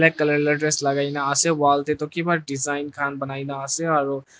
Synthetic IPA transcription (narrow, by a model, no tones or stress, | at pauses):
lekɐleleɖɾeslɐɡaːinaasewaːlt̪et̪okibaɾɖɪzaːɪnkʰaːnbɐnaːinaaːseɔːɾ